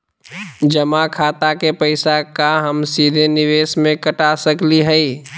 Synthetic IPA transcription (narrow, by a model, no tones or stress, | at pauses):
d͡ʒəmakʰaːt̪akepəɪsakaɦəmsid̪ʱenɪʋeːsmẽkəʈasəkliɦɛi